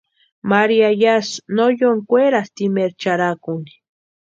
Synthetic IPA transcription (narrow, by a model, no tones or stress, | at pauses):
maɾiajasnojoŋkʷeɾast̪imeɾt͡ʃaɾakuni̥